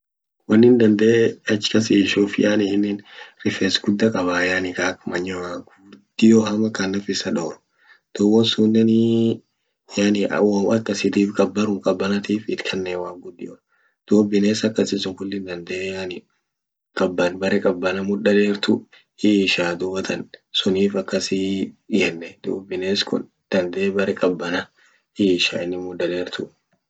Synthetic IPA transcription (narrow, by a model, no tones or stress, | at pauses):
wɐnːɪnd̪ɐnd̪ɐʔeɐt͡ʃːɪ̥kɐsiːʃufɪjʔaːnɪhɪnːɪnɾɪfeːsɡʊd̪ːɐkʼɐβaːjanɪkaːkmɐɲːɔwaɡʊd̪̥ɪjohɐmɐkɐnːɐfɪsɐᶑoːɾʊ̥ | d̪̥owɔnsunːɛn | janɪ̰wɐɐkːɐsɪd̪iːfkʼɐbːɐɾʊŋkʼɐbːɐnɐt̪iːfɪt̪kʰɐnːewaːŋɡʊd̪ːɪjɔ | d̪̥uːbɪneːsɐkːɐsɪsʊŋkʊlːɪnd̪ɐnd̪ɛʔjanɪ | kʼɐbːɐnbɐɾɛkʼɐbːɐnɐmʊᶑɐleːɾt̪ʊ | iːʃaːd̪ʊbɐt̪ʰɐnsʊniːfɐkːɐsijɛnːɛd̪̥ṵːbɪneːskʊ̰n | d̪̥ɐnd̪ɛʔbɐɾɛkʼɐbːɐnɐ | iːʃa̰ːɪnːɪmʊᶑ̪ːɐleːɾt̪ʊ